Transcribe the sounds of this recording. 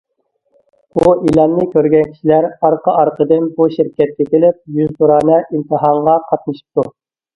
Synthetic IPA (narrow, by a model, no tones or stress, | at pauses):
buʔilˠɑnːɨkʲøɾɡʲɛnkʲʰi̥ʃilæɾɑɾqʰəʔɑɾqʰəd̪ɨnbuʃiɾkʲɛt̪̚kʲɛkʲʰelɪp̚jyzt̪uɾɑːnɛʔint̪ʰɨɦɑɴʁɑqʰɑt̪̚nɨʃɨ̥p̚t̪u